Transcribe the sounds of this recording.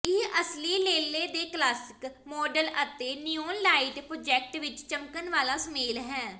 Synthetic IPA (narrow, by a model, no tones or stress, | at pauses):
ɪʔəsliːleːleːd̪eːklaːsɪ̥kmɔːɖələt̪eːnijoːnlaːɪʈpɾoːd͡ʒɛːk̚ʈʋɪt͡ʃt͡ʃəmkənʋaːlaːsəmeːlɦɛ̃ː